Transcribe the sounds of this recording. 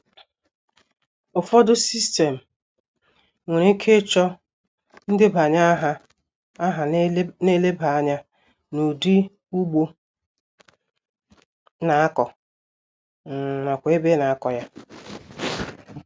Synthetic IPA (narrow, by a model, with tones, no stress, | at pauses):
ʊ˨fɔ˦dʊ˦si˦ste˨m̩˨ | ŋʷe˨ɾi˦kʰe˦t͡ʃɔ˦ | n̩˦dɪ˦ba˨ɲa˦ɦa˦ | a˦ɦa˨˦ne˦le˦ba˨a˦ɲa˦ | nu˨di˦ | u˦ɡ͡bo˦ | na˨a˦kɔ˨ | n̩˨ma˨kʷe˦be˦na˨a˦kɔ˨ja˦